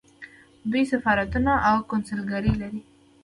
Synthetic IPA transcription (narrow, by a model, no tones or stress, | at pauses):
besafɑɾat̪unaʔawkonsəlɡaɾilaɾi